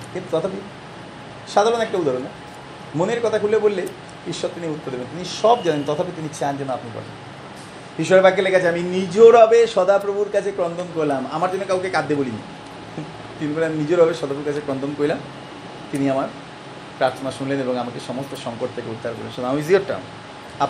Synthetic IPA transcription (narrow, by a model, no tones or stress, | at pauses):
kint̪ut̪ɔt̪ʰap̬i | ʃad̪ʱaɾonɛk̚ʈaud̪ʱaɾone | moneɾkɔt̪ʰakʰulːebolːe | biʃːot̪t̪iniut̪ːoɾd̪ebent̪iniʃɔbd͡ʑanent̪ɔt̪ʰapit̪init͡ɕand͡ʑɛnːoap̪nikɔ̰ɾlḛn | biʃɔeɾbʱaɡːelekʰat͡ɕʰeaminid͡ʑoɾabeʃɔd̪apɾobʱuɾkat͡ɕʰekɾɔnt̪ʰonkoɾlama̰maɾd͡ʑonːokawkekad̪ːebolinḭ | t̪iniboleaminid͡ʑoɾabeʃɔd̪ʱapɾobuɾkat͡ɕʰekɾɔnt̪onkoɾilam | t̪iniamaɾ | pɾaɾt̪ʰonaʃunleneboŋamakeʃɔmosʈoʃɔŋkoʈ̚t̪ʰekeut̪ːaɾko̰lḛnʃod̪amisioʈʈːa̰m | a